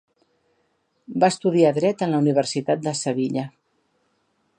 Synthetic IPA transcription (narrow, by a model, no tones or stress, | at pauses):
baəst̪uðiaðɾɛt̪ənləuniβ̞ərsit̪at̪̚d̪əsəβiʎə